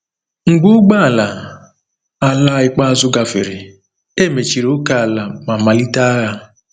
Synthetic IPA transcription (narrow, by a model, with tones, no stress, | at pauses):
ŋ̩˨ɡ͡bʊ˦ɡ͡ba˦a˨la˨ | a˨la˦ɪ˨k͡pa˦a˦zʊ˦ɡa˨fɪ̰˨ɾɪ˨ | e˦˨me˨t͡ʃi˨ɾo˦ka˦˨a˨la˨ma˨ma˨li˦ta˦a˦ɣa˦